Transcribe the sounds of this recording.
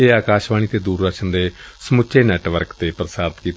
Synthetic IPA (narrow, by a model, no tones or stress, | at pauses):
eːaːkaːʃʋaːñiːt̪eːd̪uːɾd̪əkʃənd̪eːsəmʊt͡ʃʰeːnɛːʈʋəɾkt̪eːpɾəsaːɾt̪kiːt̪